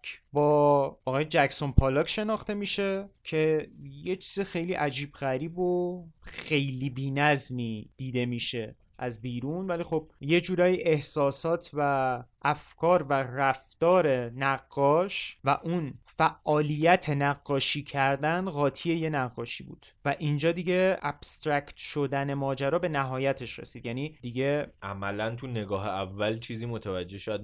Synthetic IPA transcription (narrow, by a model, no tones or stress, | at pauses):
bɒːʔɒɣɒːjed͡ʒækso̞npʰɒlɒːcʃe̞nɒːxt̪e̞miːʃe̞cʰe̞je̞t͡ʃʰiːzexe̞jliːʔæd͡ʒiːbɣæɾiːboxe̞jliːbiːnæzmiːd̪̥iːd̪e̞miːʃe̞ | ʔæzbiːɾunvælixo̞b̚je̞d͡ʒuːɾɒːjiʔe̞hsɒːsɒːt̪ʰvæʔæfkʰɒːɾværæft̪ɒːɾe̞næɣːɒːʃvæʔunfæʔʔɒːlijæt̪ʰe̞næɣːɒːʃiːcʰæɾd̪ænɣɒːt̪ʰiːe̞je̞næʁːɒːʃiːbṵːd̪̥væʔind͡ʒɒːd̪iɟe̞æ̰b̥st̪ɾæct̪ʰʃo̞d̪æne̞mɒːd͡ʒæɾɒːbe̞næɦɒːjæt̪ʰe̞ʃɾe̞̰siːd̪jæniːd̪̥iɟe̞ʔæmælænt̪ʰune̞ɡɒːɦeævːælt͡ʃʰiːziːmot̪ʰævæd͡ʒːe̞hʃɒjæd̪